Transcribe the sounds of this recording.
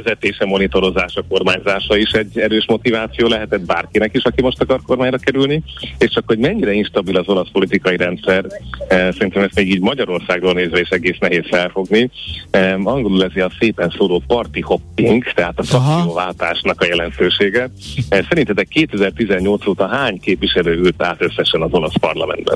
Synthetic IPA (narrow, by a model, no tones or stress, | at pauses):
ɛzɛt̪eːʃɛmo̞nit̪o̞ɾo̞zaːʃɒko̞rmaːɲzaːʃɒiʃɛɟːɛɾøːʃmo̞t̪ivaːt̪sijoːlɛɦɛt̪ɛd̪̚baːrkinɛkiʃɒkimo̞ʃt̪ɒkɒrko̞rmaːɲrɒkɛɾylnieːʃt͡ʃɒkho̞ɟmɛɲːiɾɛinʃt̪ɒbilɒzo̞lɒspo̞lit̪ikɒjiɾɛnt̪sɛrsɛɾint̪ɛmɛst̪meːɡiːɟmɒɟɒɾo̞rsaːɡroːlneːzʋɛeːʃɛɡeːsnɛɦeːsfɛlfo̞ɡni | ɒŋɡo̞lulɛzeɒseːpɛnsoːloːpɒrt̪iho̞pːiŋkt̪ɛɦaːt̪ɒfrɒkk̪sijoːvaːlt̪aːʃnɒkɒjɛlɛnt̪øːʃeːɡɛ | sɛɾint̪ɛt̪ɛkːeːt̪ɛzɛrt̪izɛɲːo̞lt̪soːt̪ɒɦaːɲkeːpviʃɛløːylt̪a̰ːt̪øsːɛʃɛnɒzo̞lɒspɒrlɒmɛ̰nd̪bɛ̰n